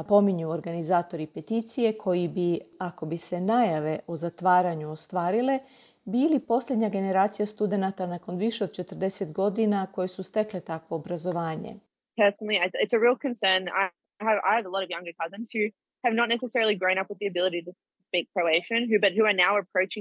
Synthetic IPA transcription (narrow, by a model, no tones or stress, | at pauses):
apo̞miɲuoɾɡanizaːt̪o̞ɾipe̞t̪it̪sije̞kʰo̞jibiako̞bise̞najaʋe̞ʔo̞zat̪ʋaːɾaɲuost̪ʋaːɾile̞ | biːlipo̞sʎʲed̪ɲaɡe̞ne̞ɾaːt̪sijast̪ud̪e̞nat̪anako̞nʋiʃe̞od̪t͡ʃe̞t̪rd̪e̞set̪ɡo̞d̪inako̞jesust̪e̞kle̞t̪akʋo̞ːbɾazo̞ʋaːɲḛ | d̥ɛfənətˡliaɪɪtsɨɹilˠkʰɨ̃nsɜ̃˞na̰ɪ | ɨva̰ɪɨvəlɔɾʌvjʌ̃ŋɡə˞kʰʌzɨ̃nz̥hʉ | ɨvnətⁿnɛsɨsɛɹl̩ˠiɡɹõʊ̃nʌpwɨðiɨbɪlˠəɾiɾɨ | spik̚kʰɹ̥oʊleɪʃɨ̃nɦʉbʌt̚hʉə˞naʊəpʰɹ̥oʊt͡ʃɪ̃